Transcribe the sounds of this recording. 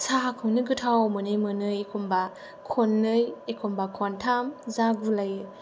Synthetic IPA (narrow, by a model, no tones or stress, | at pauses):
sakʰɯŋnɯɡɯtʰawmɯnɯjmɯnɯjekʰɔmba | kʰɔnːɯjekʰombakʰɔntʰamzaɡulajɯ